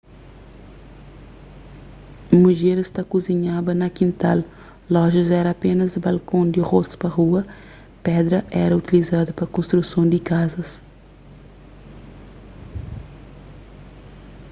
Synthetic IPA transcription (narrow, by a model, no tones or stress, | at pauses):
muʒeɾɪst̪akuziɲabɐnɐkĩnt̪alː | ɔʒɐzɛɾɐapẽnɐzbalkõnd̪iʁost̪ʊ̥pɐʁuɐ | pɛd̪ɾɐʔɛ̰ɾɐut̪ilizad̪ɐpɾɐkõst̪ɾusõnd̪ɪkazɐs